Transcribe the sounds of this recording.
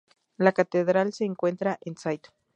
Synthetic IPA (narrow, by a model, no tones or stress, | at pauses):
lakat̪eðɾalseːŋkwent̪ɾaʔensajt̪o̥